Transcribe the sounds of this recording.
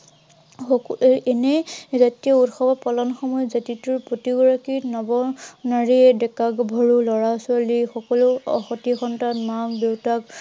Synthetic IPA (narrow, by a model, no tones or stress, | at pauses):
enezatijɔutxɔbapɔlɔnxɔmɔjɔzatituɹpɹotiɡɔɹakinɔbɔnaɹiɛdɛkakbʱɔɹulɔɹasʊalixɔkɔlʊxɔtixɔntanmakdewtak